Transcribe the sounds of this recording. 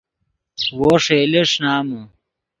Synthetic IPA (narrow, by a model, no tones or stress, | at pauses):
woʂeːleʂnaːmu